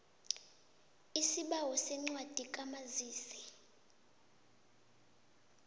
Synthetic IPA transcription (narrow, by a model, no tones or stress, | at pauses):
isiɓawɔsɛŋ͡ǀwad̥ʱikʼamaziːsɛ̥